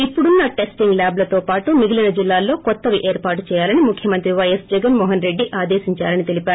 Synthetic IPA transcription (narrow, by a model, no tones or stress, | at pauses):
ipːuɽunːɐʈe̞sʈiŋɡlaːblɐt̪o̞ːpaːʈumiɡilɐnɐd͡ʒilːaːlːo̞ːkɔt̪ːɐʋiʔeːɾpaːɾʈt͡ʃɛːjaːlɐnimukʰjɐmɐnt̪ɾiʋɐjɐsd͡ʒɛɡɐnmɔːɦɐnɾe̞ɖːiʔaːd̪eːʃiɲt͡ʃaːlɐnit̪e̞lipaːɾu